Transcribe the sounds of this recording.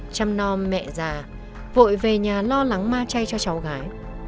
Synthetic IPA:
t͡ɕa˧mnɔ˧mːɛ̰˧˨zaː˨˩ | vo̰˧˨jve˨˩ɲaː˨˩lɔ˧la˨˦ŋmaː˧t͡ɕa˧jt͡ɕɔ˧t͡ɕa˨˦wɣaː˨˦j

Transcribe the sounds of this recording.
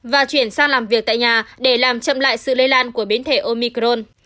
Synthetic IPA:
vaː˨˩t͡ɕwi˧˩ənsaː˧ŋlaː˨˩mvi˨˩ək̚t̪a̰ː˧˨ɲaː˨˩ɗe˧˩laː˨˩mt͡ɕə̰˧˨mla̰ː˧˨jsɨ̰˧˨lə˧jlaː˧nku˧˩əɓi˨˦ənt̪ʰe˧˩ʔo˧mi˧kɾo˧n

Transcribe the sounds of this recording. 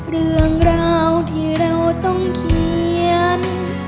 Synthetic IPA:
ɾɯ˧əŋɾaː˧wt̪ʰiː˧˩ɾa˧wt̪ɔ˥˩ŋkʰi˧ən

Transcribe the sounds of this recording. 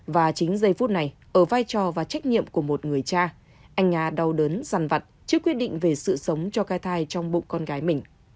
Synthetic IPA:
vaː˨˩t͡ɕï˨˦ŋ̟zə˧jfu˦˥t̚na˨˩jʔəː˧˩vaː˧jt͡ɕɔ˨˩vaː˨˩t͡ɕa˦˥jk̟̚ɲḭ˧˨əmku˧˩əmo˨˩t̚ŋɨ˨˩əjt͡ɕaː˧ | ʔa˧jŋ̟ʔaː˧ɗa˧wɗəː˨˦nza˨˩nva˨˩t̚t͡ɕɨ˦˥kːwi˦˥ət̚ɗḭ˧˨ŋ̟ve˨˩sɨ̰˧˨sə˨˦wŋ͡mt͡ɕɔ˧kaː˧jt̪ʰaː˧jt͡ɕɔ˧wŋ͡mɓʊ̰˧˨ŋ͡mkɔ˧nɣaː˨˦jmï˨˩ŋ̟

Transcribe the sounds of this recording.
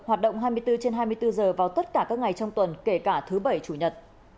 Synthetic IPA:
hwaː˨˩t̚ɗə̰˧˨wŋ͡mɦaː˧jmɨ˧jt̪ɨ˧t͡ɕe˧nɦaː˧jmɨ˧əjt̪ɨ˧zəː˨˩vaː˨˩wt̪ə˦˥t̚kaː˧˩kaː˦˥k̚ŋa˨˩jt͡ɕɔ˧wŋ͡mt̪wə˨˩nke˧˩kaː˧˩t̪ʰɨ˨˦ɓə˧˩jt͡ɕu˧˩ɲə˨˩t̚

